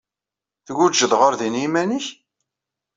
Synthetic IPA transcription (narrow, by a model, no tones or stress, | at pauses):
θɡud͡ʒəðʁʊɾðinimæniç